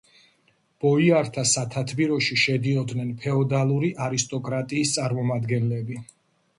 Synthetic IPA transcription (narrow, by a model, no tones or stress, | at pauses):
b̥ɔiaɾt̪ʰasat̪ʰat̪ʰbiɾɔʃiʃɛd̪iɔd̪nɛnpʰɛɔd̪alˠuɾiʔaɾist̪ʼɔkʼɾat̪ʼiːst̪sʼaɾmɔmad̪ɡɛnlɛbi